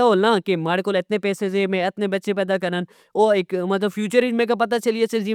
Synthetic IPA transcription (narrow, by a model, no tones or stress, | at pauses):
aɦoːlnaːkemaːɽekoːlɪt̪nepɛːsezẽmẽɪt̪nebɐtːʃepɛːd̪akɐɾnən | oːɪkmɐt̪̬ləbfʰjuːt͡ʃəɾɪmẽːk̬ap̬ɐt̪at͡ʃɐliesɪd͡ʒiː